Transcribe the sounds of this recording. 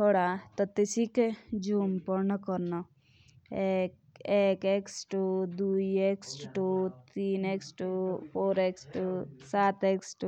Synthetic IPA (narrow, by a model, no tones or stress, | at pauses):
tt̪ʰoːɽat̪ɔt̪isiked͡ʒuːmpɔɾnɐkɔɾnɔ | ek | eːkeːksʈud̪uːieksʈʈut̪iːneːksʈupʰoːɾeːksʈusaːt̪eːksʈu